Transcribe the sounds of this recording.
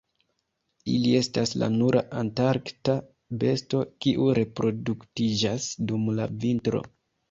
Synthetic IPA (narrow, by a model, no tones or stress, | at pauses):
ḭlie̞stasla̰nuɾʔa̰ʔantaɾkta | be̞sto̞kiʔuɾe̞pɾo̞duktid͡ʒasdumla̰vintɾo̞̰